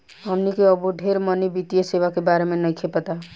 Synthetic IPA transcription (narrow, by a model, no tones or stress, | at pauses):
ɦəmnikeəbuɖʱeɾmənibit̪ijəseβakebaɾemenəjkʰepət̪a